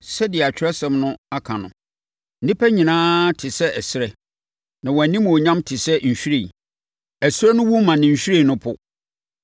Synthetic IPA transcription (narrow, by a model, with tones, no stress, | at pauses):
sɛ˦dɪ˨ɛ˨a˨t͡ɕᶣɾɛ˦sɛ̃˦mnʊ̃˦a˦kʰã˨nʊ̰̃˨ | n̩˦nĩ˦pʰæ˦ɲĩ˨nãː˦tʰɪ˨sɛ˦ʔɛ˨sɪ˦ɾɛ˨ | nã˨wɔ˨æ˨nĩ˦m˨ɔ˨ɲã˦mtʰɪ˨sɛ˦ɲ̩˨ɕᶣɾe˨i˨ | ɛ˨sɾɛ˦nʊ̃˦wu˦mːã˨nɪ̃˨ɲ̩˨ɕᶣu˦ɾe˦˨nʊ̃˦pʰʊ˦